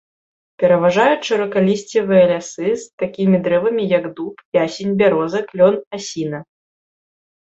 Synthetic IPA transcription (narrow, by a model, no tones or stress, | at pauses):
pʲɛɾɐvaʐajut͡sʲt͡ʂɐɾɐkalʲisʲt͡sʲɛvɨjɐlʲasɨst̪akʲimʲid̪ɾɛvɐmʲijɐɡd̪upiasʲinʲbʲaɾɔzɐklʲɔnasʲinɐ